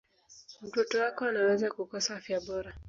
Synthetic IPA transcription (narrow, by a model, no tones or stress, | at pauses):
m̩tɔtɔwakɔanawɛzakukɔsahafjaɓɔɾa